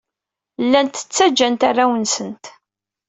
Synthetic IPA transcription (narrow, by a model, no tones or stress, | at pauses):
lːænt̪ə̥t͡sːæd͡ʒːænt̪arːawənsənt̪